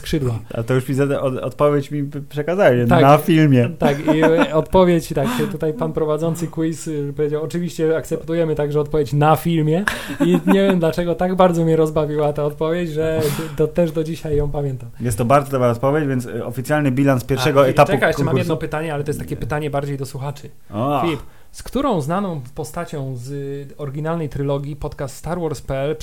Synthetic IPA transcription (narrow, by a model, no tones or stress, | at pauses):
skʂɘd̪waa̰t̪ɔjuʂmʲizaɔ̰t̪pɔvʲjet͡ɕmʲipʂɛkazaɛanafʲilmʲjɛt̪akiɔt̪pɔvʲjet͡ɕt̪akt͡ʃɛt̪ut̪ajpanpɾɔvadzɔnt̪sɘkuispɔvʲjed͡ʑawɔt͡ʂɨvʲiɕt͡ɕɛakt̪sɛp̚t̪ujɛmɘt̪aɡʐɛɔt̪pɔvʲjet͡ɕnafʲilmʲjɛiɲɛvʲjɛmd̪lat͡ʂɛɡɔt̪aɡbaɾd̪zɔmʲjɛɾɔzbavʲiwat̪aɔt̪̚pɔvʲjet͡ɕʐɛd̪ɔt̪ɛʐd̪ɔd͡ʑiɕajːɔ̃w̃pamʲjɛnt̪amjɛst̪ːɔbaɾd̪zɔd̪ɔbɾaɔt̪̚pɔvʲjed͡ʑvjɛnsɔfʲit̪sʲjalnɘbʲilanspʲjɛɾʂɛɡɔɛt̪aukamammjɛd̪nɔpɘt̪aɲɛalɛt̪ɔjst̪ːakʲɛpɘt̪aɲɛbaɾd͡ʑejd̪ɔswuxat͡ʂɘ | iiip | skt̪uɾɔ̃w̃znanɔ̃w̃pɔst̪at͡ɕɔ̃w̃zɔɾɡʲinalnɛjt̪ɾɘlɔɡʲjipɔt̪kast̪st̪aɾwɔɾspɛɛlp